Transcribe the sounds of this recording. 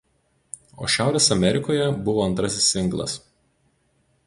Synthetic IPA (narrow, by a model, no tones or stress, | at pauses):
o̰ːʃʲæˑʊɾʲeːsɐmʲɛɾʲɪkoːjɛbʊʋoːɐnt̪ɾɐsʲɪsːʲɪŋˑɡlˠɐ̰s